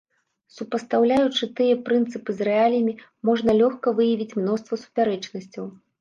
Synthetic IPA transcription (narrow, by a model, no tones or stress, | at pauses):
supɐst̪awlʲajut͡ʂɨt̪ɨjɐpɾɨnt̪sɨpɨzɾɛalʲjɐmʲimɔʐnɐlʲɔxkɐvɨjɐvʲit͡sʲmn̪ɔst̪vɐsu̥pʲaɾɛt͡ʂnɐsʲt͡sʲɐw